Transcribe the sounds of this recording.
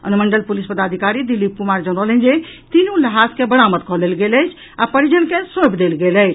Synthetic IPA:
ə̰nməɳɖəlpulispəd̪ad̪ʱikaɾid̪ilip̚kumaɾd͡ʒəñəlɛ̃nd͡ʒet̪inũləɦaskebəɽamət̪̚kɔɦlelɡeləjt͡ʃʰ | apəɾid͡ʒənkesõpʰd̪elɡelət͡ʃʰ

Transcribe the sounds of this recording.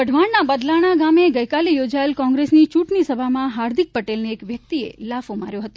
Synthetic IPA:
bəɖʱʋaɳnabəd̪laɽ̃aɡameɡəjkalejod͡ʒaelkɔ̃ŋɡɾesnit͡ʃuʈnisəbʱamãɦaɾd̪ʱik̚pəʈelneːkʋjək̚t̪iḛlafomaɾjõɦət̪o

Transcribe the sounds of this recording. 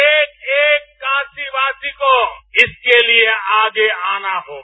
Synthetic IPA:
eːkeːkːaːsibaːsikoɪskelieaːɡeaːnaɦoː

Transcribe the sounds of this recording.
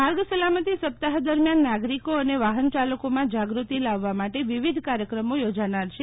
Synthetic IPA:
maɾɡsəlamət̪isəp̚t̪aɦd̪əɾmjanːaɡɾikoəneʋaɦənt͡ʃaləkomãd͡ʒaɡɾut̪ilaʋːamaʈeʋiʋid̪ʱkaɾjəkɾəmojod͡ʒanaɾʃʰe

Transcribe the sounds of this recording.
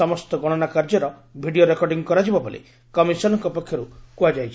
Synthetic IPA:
ɔmɔst̪ɔɡɔɽ̃ɔnakaɾd͡ʒɔɾɔ | bʱiɖioɾekɔɾɖiŋkɔɾad͡ʒibabolʔḛ | kɔmisɔnɔŋkɔpɔkʰːjɔɾukuad͡ʒajt͡ʃʰi

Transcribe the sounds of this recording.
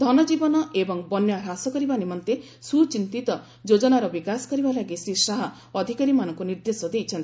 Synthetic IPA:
d̪ʱɔnɔd͡ʒibɔnɔʔebɔŋbɔnjɔɾasɔkɔɾibanimɔnt̪e | sut͡ʃint̪it̪ɔ | d͡ʒod͡ʒɔnaɾɔbikasɔ̥kɔɾibalaɡisɾisaɦɔ | ɔd̪ʱikaɾimanɔŋkuniɾd̪esɔd̪ejt͡ʃʰɔnt̪ii

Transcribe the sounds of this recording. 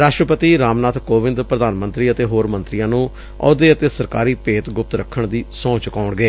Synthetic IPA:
ɾaːʃʈɾəpət̪iːɾaːmnaːt̪ʰkoːʋɪ̃nd̪pɾəd̪aːnmə̃nt̪ɾiːət̪eːɦoːɾmənt̪ɾijãːnũː | ɔ̰ːd̪eːət̪eːsəɾkaːɾiːpeːt̪ɡʊp̚t̪ɾəkʰːəɳd̪iːsɔ̃ːt͡ʃkaːʊɳɡeː

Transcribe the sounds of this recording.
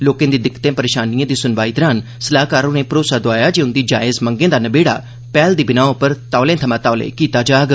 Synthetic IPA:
loːkẽːd̪iːd̪ɪkːt̪ẽːpəɾeːʃaːnijãːd̪iːsʊnʋaːiːd̪əɾaːn | səlaːkaːɾõːneːpɾoːsaːd̪oaːjaːd͡ʒiːʊnd̪iːd͡ʒaːɪzmə̃ŋɡẽːd̪aːnəbeːɽa̰ː | pɛːld̪iːbɪnaːõpəɾt̪aːlẽːt̪ʰəmãːt̪aːlḛ̃ːkiːt̪aːd͡ʒaːɡ

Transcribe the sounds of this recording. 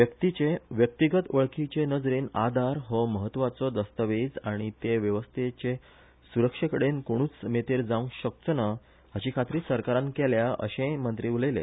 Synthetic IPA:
ʋjəkt̪it͡ɕeʋjək̚t̪iɡət̪əɭkit͡ɕenəd͡zɾiːna̰d̪ʱaɾɦɔməɦət̪ːʋat͡sɔd̪əst̪əʋed͡zaɽ̃it̪eʋjəʋəst̪ʰet͡ɕe | suɾəkʂəkəɽenkoɽ̃uːt͡smet̪eɾd͡zãũɕək̚t͡səna | ɦaɕiːkʰat̪ɾiːsəɾkaɾãnkeljaʔə̰ɕẽmənt̪ɾiːuləjlḛ

